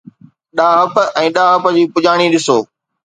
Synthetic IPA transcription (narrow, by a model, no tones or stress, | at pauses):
ɗaːɦɐpɛ̃ːɗaːɦɐpəd͡ʑiːpʊd͡ʑaːɽ̃iɗɪsoː